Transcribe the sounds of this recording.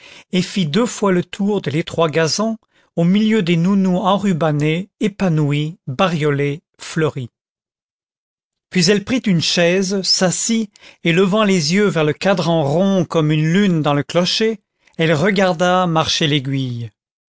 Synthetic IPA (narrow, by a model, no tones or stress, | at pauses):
efid̪øfwalət̪ʰuʁd̪əlet̪χwaɡazɑ̃ | omiljød̪enunuɑ̃ʁybaneːpanuibaʁjɔle | flœʁi | pɥizɛlpχit̪ynʃɛzsasieləvɑ̃lezjøvɛʁləkad̪ʁɑ̃ʁɔ̃kɔmynlynd̪ɑ̃ləklɔʃe | ɛlʁəɡaʁd̪amaʁʃeleɡʲɥij